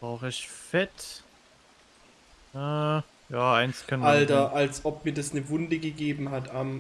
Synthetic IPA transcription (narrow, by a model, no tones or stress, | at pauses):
b̥ʁaʊxəɪçfɛt | ʔɛː | jaːaɪnskʰœnaltɐʔalsʔɔp̚miːɐdasnəvʊndəɡəɡeːbm̩ɦatam